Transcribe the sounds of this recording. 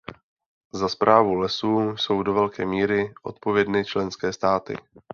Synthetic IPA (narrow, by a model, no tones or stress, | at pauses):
zaspɾʔaːvulɛsuːso̞wdo̞vɛlkɛːmiːɾɪʔo̞̰t̪̚po̞vjɛdnɪt͡ʃlɛnskɛːst̪aːt̪ɪ̰